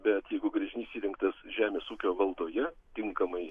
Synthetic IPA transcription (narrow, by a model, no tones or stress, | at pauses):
bʲɛt̪jɛɪɡʊɡɾʲɐʒʲɪnʲiɪsʲiːɾʲɪŋkt̪ɐsʒʲæːmʲeːsuːkʲoːʋɐlˠd̪oːjɛt̪ʲɪŋkɐmɐɪ